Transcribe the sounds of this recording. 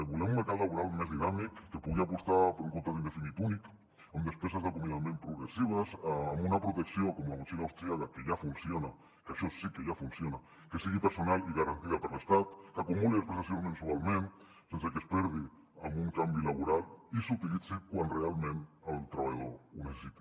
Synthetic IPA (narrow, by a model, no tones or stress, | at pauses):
βulemũnmeɾkat̪laβuɾalmezðinamikːepuɣiapust̪apeɾuŋkont̪aðinefilit̪unik | amd̪espesazðakomĩðamẽmpɾuɣɾesiβ̞asamunapɾot̪eksjokomamusinaawst̪ɾiakakeʝafunsjona | kaʃɔsikeʝafunsjona | kesiɣipeɾsonaliɣaɾant̪iðapeɾlest̪at̪kakumuliespɾesasjonmẽnsualmẽn | sensekespɛɾði | ambuŋkambilaβ̞uɾalisut̪ilit͡sikwanrealmẽnalt̪ɾaβajaðounese̥sit̪ḁ